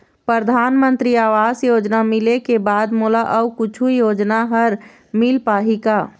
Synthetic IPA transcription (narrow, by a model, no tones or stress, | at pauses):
pɾəɾd̪ʱanmənt̪ɾiaːʋazjod͡ʒnamilekebad̪molaʔəukut͡ʃʰujod͡ʒnaɦəɾ | milpaɦika